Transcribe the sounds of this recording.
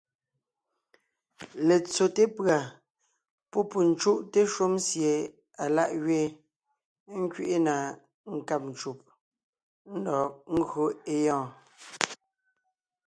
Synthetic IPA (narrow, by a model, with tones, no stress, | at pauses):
le˨t͡so˨te˦pɰa˨ | pɔ˦pu˨n̩˨t͡ʃu˦ʔte˦ʃu˦msje˨ | a˨la˦˨ʔɣɥe˦ | ŋ̩˦kɥi˦ʔe˦na˨ | ŋ̩˨ka˦˨p̚n̩˨t͡ʃu˨p̚ | n̩˦dɔ˨ŋ̩˦ɣo˦e˦jɔ̃ː˦˨